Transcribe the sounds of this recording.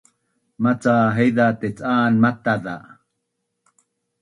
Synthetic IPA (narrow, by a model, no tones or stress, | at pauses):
mat͡saːɦejðat̪et͡sʼaːnmat̪aða̰